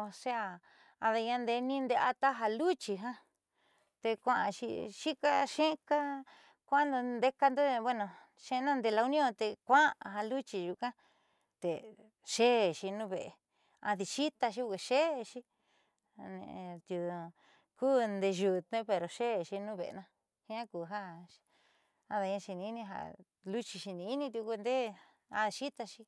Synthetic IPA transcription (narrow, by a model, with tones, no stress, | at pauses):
o˧se˦a˧ | a˧ða˧ɲã˧nd̪e˧nĩ˦nd̪e˧a˧t̪a˦ɦa˧lu˦t͡ʃi˧ɦã˦ | t̪e˧kʷã˧ʔã˧ʃḭ˧ʃi˦ka˧ʃẽ˦ka˦ | kʷã˦nd̪o˧nd̪e˦ka˧nd̪o˦˧βwe˦˧nõ˧ | ʃẽ˦˧nã˦˧nd̪e˧la˧u˧˦nĩ˦õ˦˧t̪e˧kʷã˦˧ɦa˧lu˦t͡ʃi˧ʒu˧kã˦ | t̪e˨ | ʃe˦˨ʃi˧nũ˦˧βe˨ḛ˧ | a̰˧ði˧ʃi˦t̪a˧ʃ̬i˦˧ke˧˨ʃe˦˧ʃi˦ | nḛ̃˧t̪ju˧ | kuː˦nd̪e˧ʒu˧t̪ẽ˦pe˧ɾo˨ʃe˦˧˨ʃi˧nũ˦βḛ˨˧nã˧ | hĩ˦ã˦ku˨ɦa˦ | a˧ða˧ɲã˧ʃi˧nĩ˧i˦nĩ˧ɦa̰˧˨ | lu˦t͡ʃi˧ʃi˧nĩ˧i˦nĩ˧t̪u˧ku˧nd̪e˦ | a˧ði˧ʃi˦t̪a˧ʃi˧